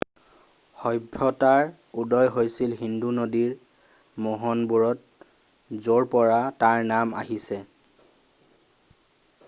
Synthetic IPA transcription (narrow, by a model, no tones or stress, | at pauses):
xɔjbʱːɔtaɹ | udɔjɦojsilɦindunodiɹ | mɔɦɔnbuɹɔt̚ | zoɹpɔɹataɹnama̰ɦisɛ